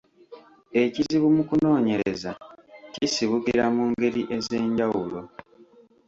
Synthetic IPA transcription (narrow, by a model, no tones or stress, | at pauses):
e̞ciziβumukuno̞ːɲe̞ɾe̞zacisiβuɡiɾamuŋɡe̞ɾiʔeze̞ːɲɟawulo̞